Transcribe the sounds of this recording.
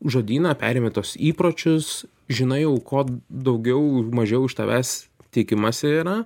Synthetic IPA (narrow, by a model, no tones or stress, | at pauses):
ʒoːd̪ʲiːnɐːpʲæ̰ːɾʲeːmʲet̪oːsiːpɾoːt͡ʃʲʊs | ʒʲɪnɐɪjɛʊkoːd̪ɐʊɡʲɛʊmɐʒʲɛʊɪʃt̪ɐʋʲæːst̪ʲeːkʲɪmɐsʲɪiːɾɐ